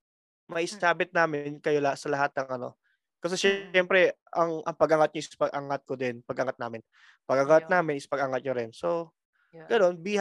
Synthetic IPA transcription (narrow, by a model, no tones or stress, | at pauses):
mɐʔɪsaːbɪt̪̚naːmɪnkɐjo̞lɐsɐlɐɦat̪̚nɐŋʔɐno̞̰ | kɐs̬ɛʃɛɛmpɾɛ | ʔɐŋʔɐ̰ŋpɐɡʔɐŋat̪̚ɲoʔɪspɐɡ̚ʔɐŋat̪̚kod̪ɪnpɐɡʔɐŋat̪̚naːmɪn | pɐɡɐŋat̪̚naːmɪnʔɪspɐɡʔɐŋat̪̚ɲoɾɪnso̞ | ɡ̥ɐno̞nbih